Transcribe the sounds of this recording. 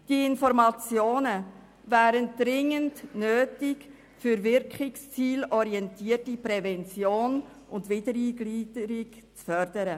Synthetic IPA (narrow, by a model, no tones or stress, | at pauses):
d̥iɪnfɔɾmɑt͡sjoːnə | væːɾənd̥ɾɪŋəndnøːtɪk | fyɾvɪɾkχɪkst͡siːlɔɾiɛntiːətipɾɛvɛnt͡sjoːn | ʔʊndvɪdəɾiːɡliːdəɾɪkt͡sfœɾdəɾə